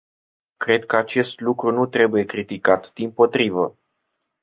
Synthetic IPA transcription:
kɾe̞d̪̚kəat͡ʃe̞st̪lukɾunut̪ɾe̞buje̞kɾit̪ikat̪d̪̥impo̞t̪ɾivə

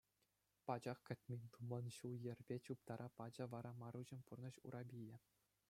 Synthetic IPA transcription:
pɑd͡ʑɑχkʲɘ̆t̪ʲmʲenʲt̪umɑnɕuljɘ̆rʲbʲet͡ɕup̚t̪ɑɾʔɑpɑd͡ʑɤ̆ʋɑɾɑmɑɾuʑɘ̆nʲpurnɤ̆ɕṵɾʔɑbʲijɘ̆

